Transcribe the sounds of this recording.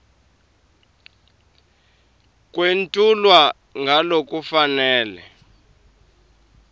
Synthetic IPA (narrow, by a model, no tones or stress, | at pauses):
k̬ʼwentʼulwa | ŋɡʱalok̬ʼufanɛːlɛ̰